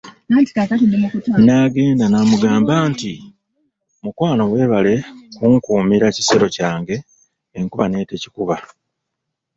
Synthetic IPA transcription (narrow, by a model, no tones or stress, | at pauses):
naːnti̥kakatinːemukutanaːɡe̞ːndanamuɡaːmbaːnti | mukwaːno̞we̞ːβale̞kuŋkuːmiɾaci̥se̞ɾo̞caːŋɡe̞ː | ŋkuβane̞ːte̞ci̥kuβa